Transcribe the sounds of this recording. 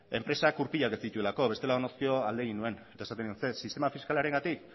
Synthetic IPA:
e̞mpɾe̞sakuɾpiʎakesit̪ue̞lako̞βe̞st̪e̞laonoskio̞ald̪eɣinue̞ne̞t̪aesat̪enuonsesist̪e̞mafiskalaɾe̞ŋɡat̪ik

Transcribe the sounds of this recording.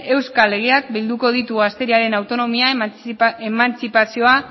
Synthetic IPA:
e̞wskale̞ɣ̞eak̚bild̪uko̞ð̞it̪uast̪e̞ɾiaɾe̞nawt̪o̞no̞mia | emant͡sipasio̞a

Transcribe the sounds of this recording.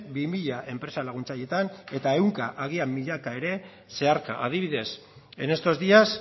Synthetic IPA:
bimiʎaʔe̞mpɾe̞salaɣ̞unt͡saje̞t̪ane̞t̪ae̞wŋkaʔaɣ̞iamiʎakae̞ɾe̞ | se̞aɾka̰ʔaðiβ̞iðe̞s | ene̞st̪o̞zd̪ias

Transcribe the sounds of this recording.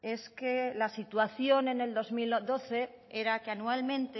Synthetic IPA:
e̞ske̞lasit̪waθjo̞ne̞ne̞ld̪o̞zmild̪o̞θe̞ | eɾakeanualmẽ̞nt̪e

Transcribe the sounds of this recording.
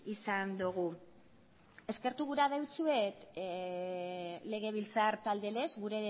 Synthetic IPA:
isand̪uɣ̞u | e̞ske̞ɾt̪uɣ̞uɾaðewt͡sue̞t̪ | le̞ɣ̞e̞β̞ilt͡saɾt̪ald̪e̞le̞zɣuɾe̞

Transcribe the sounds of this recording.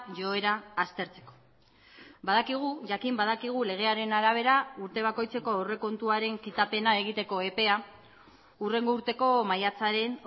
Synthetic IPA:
ʝo̞e̞ɾaːst̪e̞ɾt͡se̞̥ko̥ | baðakiɣ̞uʝakimbað̞akiɣ̞ule̞ɣ̞e̞aɾe̞naɾaβ̞e̞ɾauɾt̪e̞β̞ako̞jt͡se̞ko̞ore̞ko̞nt̪uaɾe̞ŋkit̪ape̞naeɣit̪e̞ko̞e̞pe̞a | ure̞ŋɡo̞uɾt̪e̞ko̞majat͡saɾe̞n

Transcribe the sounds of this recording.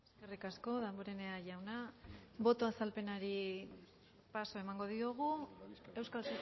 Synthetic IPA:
esske̞rikasko̞ðamboɾe̞neaʝawnabo̞t̪o̞asalpe̞naɾi | paso̞e̞maŋɡo̞ðioɣ̞ue̞wskalsu

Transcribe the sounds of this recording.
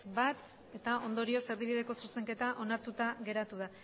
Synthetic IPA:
bat̪ | e̞t̪ao̞nd̪o̞ɾio̞se̞ɾβiβ̞iðe̞ko̞suse̞ŋke̞t̪aʔo̞naɾt̪ut̪aɣe̞ɾat̪uð̞a

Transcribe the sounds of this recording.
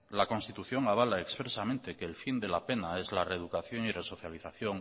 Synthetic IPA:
lako̞nst̪it̪uθjo̞ŋaβ̞alaekspɾesamẽnt̪e̞keːlfind̪elape̞nae̞zlareðukaθjoŋire̞so̞θjaliθaθjoŋ

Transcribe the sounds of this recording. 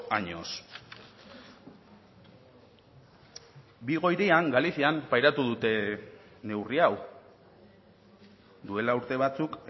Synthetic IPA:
aɲo̰s | biɣ̞o̞jɾiaŋɡaliθiampajɾat̪uðut̪e̞ | ne̞wriaw | d̪ue̞lauɾt̪e̞β̞at͡suk

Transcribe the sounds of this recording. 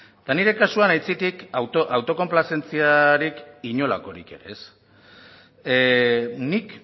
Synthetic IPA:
t̪aniɾe̞kasuanajt͡sit̪ikwt̪oʔawt̪o̞ko̞mplase̞nt͡siaɾikiɲo̞la̰ko̞ɾḭke̞̰ɾḛes | nik

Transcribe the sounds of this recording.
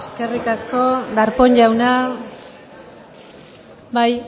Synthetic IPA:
eske̞rikasko̞d̪aɾpo̞ɲʎawna | baj

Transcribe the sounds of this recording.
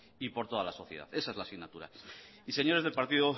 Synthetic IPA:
ipo̞ɾt̪o̞ðalaso̞θjeða̰θe̞sae̞zlasiɣnat̪uɾa̰ise̞ɲo̞ɾe̞zð̞elpaɾt̪iðo

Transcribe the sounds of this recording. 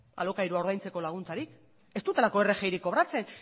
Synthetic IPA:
a̰lo̞kaiɾuaoɾð̞ajnt͡se̞ko̞laɣ̞unt͡saɾik | e̞st̪ut̪e̞lako̞e̞re̞xejɾikːo̞β̞ɾat͡se̞n

